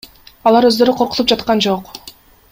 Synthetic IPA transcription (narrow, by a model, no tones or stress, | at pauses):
ɑlˠɑɾø̞zd̪ø̞ɾyqʰo̞ɾqu̥t̪up̚d͡ʒɑt̪qɑnd͡ʒo̞q